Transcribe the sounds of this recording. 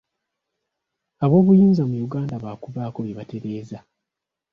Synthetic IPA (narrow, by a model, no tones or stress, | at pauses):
aβo̞ːβujuːnzamujuɡaːndaβakuβaːko̞βjeβate̞ɾe̞ːza